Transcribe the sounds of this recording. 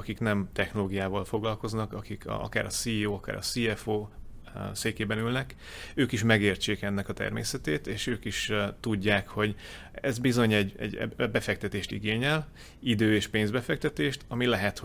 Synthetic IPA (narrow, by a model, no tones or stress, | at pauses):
ɒkiknɛmt̪ɛxno̞loːɡijaːvɒlfo̞ɡlɒlko̞znɒkɒkikɒ̰kaːɾɒsiːoːɒka̰ːɾʔɒ̰siːɛfoː | seːkeːbɛnylnɛk | øːkiʃmɛɡeːrt͡ʃeːkɛnːɛkɒt̪ɛ̰rmḛːsɛt̪eːt̪eːʃøːkiʃt̪uɟːaːkho̞ɟ | ɛ̰zbizo̞ɲɛɟːɛ̰ɟɛ̰bɛfɛk̚t̪ɛt̪eːʃt̪ḭɡeːɲɛl | id̪øːeːʃpeːnzbɛfɛk̚t̪ɛt̪eːʃt̪ɒmilɛɦɛt̪ho